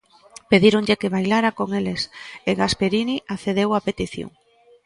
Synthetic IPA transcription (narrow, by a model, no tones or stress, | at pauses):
peðiɾoŋʎekeβajlaɾakoŋeleseɣaspeɾiniʔaθeðewapet̪iθjo̰ŋ